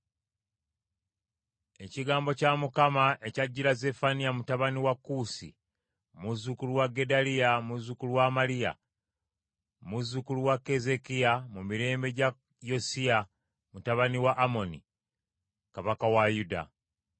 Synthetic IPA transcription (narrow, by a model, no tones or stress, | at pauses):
e̞ciɡaːmbo̞camukamaʔe̞caɟːiɾaze̞fanijamutaβaniwakːusḭ | muzukuluwaɡe̞daliamuzukuluwamalija̰ | muzukuluwake̞ze̞kiamumiɾe̞ːmbe̞ɟa | jo̞sia | mutaβaniwaʔːmo̞nḭ | kaβakawajuda̰